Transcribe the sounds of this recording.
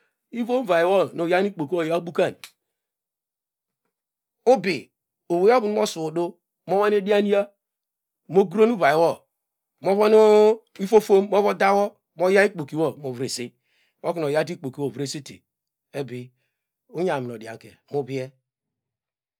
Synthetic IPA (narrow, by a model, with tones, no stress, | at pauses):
i˦vo˦m˦va˨i˨wɔ˦˨no˨ja˦ni˦k͡po˨ki˦o˦˨ja˦bu˦ka˦˨n | o˦bi˨ | o˨βo˨ja˦bu˨nu˦mo˦su˨do˦ | m˦o˦wa˦n˦e˦di˦a˦ni˦a˦ | mo˦ɡɾo˦nu˦va˨i˨wɔ˦ | mo˦vɔ˦nu˦ | i˦fo˦fo˦m˦mo˦βo˦da˦wɔ˦ | mo˦ja˦i˦k͡po˨ki˨wo˦mo˨vɾe˨si˦ | mo˦ki˨n˨o˨ja˦ti˦k͡po˨ki˨wo˦˨vɾe˦si˦tḛ˨ | e˦bi˨ | o˦ɲa˨mi˨no˨di˨a̰˨ŋ˨kḛ˨mu˦bi˦ɛ˦